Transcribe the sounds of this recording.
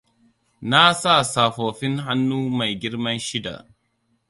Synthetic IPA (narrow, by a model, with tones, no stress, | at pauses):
na˦sa˦˨saː˨ɸoː˨ɸɪ˦ŋha˦nːuː˦ma˨jɡʲɪ˦ɽmɐ˦nʃɪ˦da̰˨ʔ